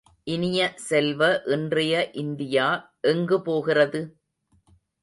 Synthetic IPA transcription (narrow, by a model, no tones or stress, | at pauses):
ʔɪnɪjɐsɛlʋɐʔɪndrɐjɐʔɪnd̪ɪjaː | ʔɛŋɡɯpoːɣɪrɐðɯ